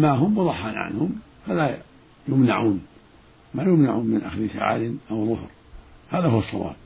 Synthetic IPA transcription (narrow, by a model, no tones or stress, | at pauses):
maɦʊmbɨðˤɑħːaːnʕa̰nhʊm | fala | jʊmnaʕuːn | majʊmnaʕuːnmɪnʔaxðɪsa̰ʕa̰ːd̪ɪnʔawðˤʊhɾ | haːðahʊwɑsˤːɑ̰wa̰ːb̚